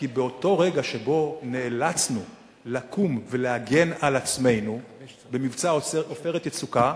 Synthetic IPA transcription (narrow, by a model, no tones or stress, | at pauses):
kibeo̞to̞ʁe̞ɡaʃe̞bo̞neːlat͡snu | lakʰumve̞lehaɡe̞nalat͡sme̞jnu | be̞mivt͡saofeʁetet͡suka